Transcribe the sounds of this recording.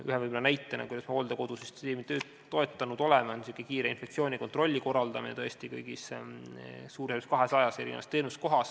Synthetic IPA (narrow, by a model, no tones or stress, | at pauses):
yɦevɯjmnɑnæjt̪ːˑɑnɑkujd̪ɑsmeo̞ːld̪̥eko̞d̪̥usist̪eːmit̪ø̞ːt̪ːo̞e̞t̪ːˑɑnud̪o̞lɛmɑonsikːˑekiːɾeinfek̪̚sioːnʲiko̞nt̪ro̞lʲːiko̞rːɑld̪ɑminet̪ɤ̞est̪ikɤ̰jɡ̥is | suːɾeskɑɦe̞sɑjɑse̞ɾinḛvɑst̪ːe̞ːnust̪̚koɦɑs